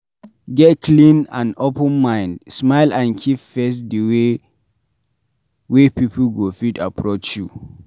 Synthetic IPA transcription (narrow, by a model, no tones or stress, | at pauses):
ɡɛt̚kʰlĩnã̰nopə̃nmãɪ̃ndsmaɪlãnkʰipfes̬dəwe | wepipl̩ɡofidapʰɹot͡ʃju